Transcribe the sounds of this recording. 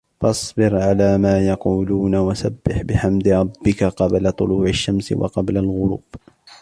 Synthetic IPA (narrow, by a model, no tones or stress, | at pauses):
fɑsˤbɪɾʕalaːmaːjɑquːluːnawasabːɪħbɪħamd̪ɾˤɑbːɪkaqɑblat̪ˤʊluːʕaʃːamsɪ̰wɑ̰qɑblalɣʊɾuːb̥